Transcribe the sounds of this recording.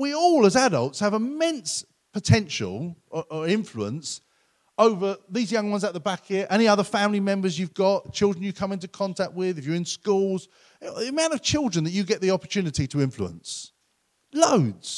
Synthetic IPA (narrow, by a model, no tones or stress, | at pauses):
wiɔlˠəzaɾə̰lˠtshəvɪmɛ̃ns | pʰətʰɛ̃nʃə̰lˠəʔəɪ̃ɱfluə̰̃ns | əʊvəðizjʌ̃ŋwʌ̃nzəʔ̪ðəbakɪʔɛñiʌðəfæ̃mlimɛ̃mbəzjʉvɡɒʔt͡ʃʰɪlˠdɹə̃n̩jɨkʰʌ̃mɪ̃ntukʰɒ̃ntʰæk̚t̚wɪðɪfjəɹɪ̃nskuːlˠz̥ | iəmãʊ̃nəv̥t͡ʃʰɪlˠdɹə̃nðət͡ʃɨɡɛʔðiɒpət͡ʃʰʉnɪtitʰəɪ̃ɱflṵə̰̃ns | ləʊdz̥